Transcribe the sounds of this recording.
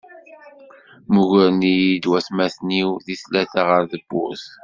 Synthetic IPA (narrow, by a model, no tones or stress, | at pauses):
muʝəɾnijid̪wæsmæθniwðiθlæθaʁəɾðəbːʊ̰θ